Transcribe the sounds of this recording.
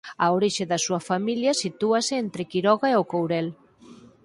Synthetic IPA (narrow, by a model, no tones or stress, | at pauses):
aoɾiʃeðasuɐfamiljasit̪uaseent̪ɾekiɾɔɣaeokowɾɛl